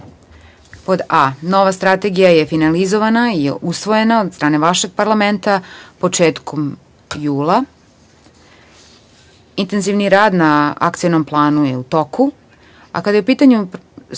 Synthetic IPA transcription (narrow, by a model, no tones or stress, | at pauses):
po̞d̪ano̞ʋast̪ɾat̪e̞ɡijajefinalizo̞ʋanaiʔusʋo̞je̞naod̪st̪ɾaːne̞ʋaʃe̞ɡ̚paɾlame̞nt̪apo̞t͡ʂeːt̪kʰom | juːlˠa | int̪e̞nziʋniɾaːd̪naa̰kt̪sijenomplˠaːnujeut̪o̞kʰu | a̰kad̪ajeupiːt̪aɲu